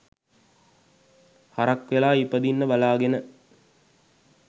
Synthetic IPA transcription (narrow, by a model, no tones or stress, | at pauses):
haɾɐkʋelaːipəd̪inːəbɐlaːɡenə